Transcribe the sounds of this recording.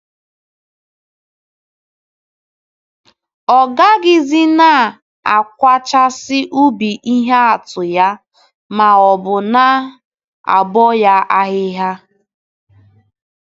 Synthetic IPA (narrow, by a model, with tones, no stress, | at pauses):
ɔ˨ɡa˦ɡɪ˦zi˦na˦˨ | a˨kʷa˦t͡ʃa˦sɪ˦ʔu˦bi˨ʔi˦ɦa˦a˨tʊ˨ja˦ | ma˨ɔ˨bʊ˨na˦ | a̰˨bɔ˦ja˦ʔa˦ɦɪ˦ɦa˦